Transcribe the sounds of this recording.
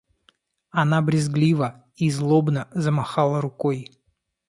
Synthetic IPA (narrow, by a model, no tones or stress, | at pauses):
ɐnabɾʲɪzɡlʲivə | izlˠobnəzəmaxalˠəɾʊkoj